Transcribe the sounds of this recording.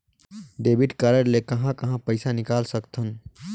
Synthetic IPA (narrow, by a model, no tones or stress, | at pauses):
ɖeːbiʈkəɾəɾlekɐɦãkɐɦãpəɪsanɪkaːlsəkt̪ʰən